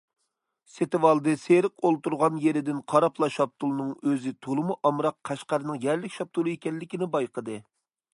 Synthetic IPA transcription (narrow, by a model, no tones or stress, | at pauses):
set̪ɪwɑlˠd̪ɨseɾɪqolˠt̪uɾʁɑnjeɾɪd̪ɪnqʰɑɾɑplˠɑʃɑp̚t̪ʰulˠnɨŋøzɪt̪ʰolˠɨmuʔɑmɾɑqːʰɑʃqɑɾɨnɨŋjɛɾlɪkʲʃɑp̚t̪ʰulˠɨekʲɛlːɪkʲinɪbɑjqəd̪ɨ